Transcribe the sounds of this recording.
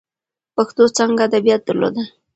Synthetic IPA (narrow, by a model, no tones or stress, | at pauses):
paxt̪ot͡saŋɡaːd̪abijat̪̚d̪aɾlo̰d̪a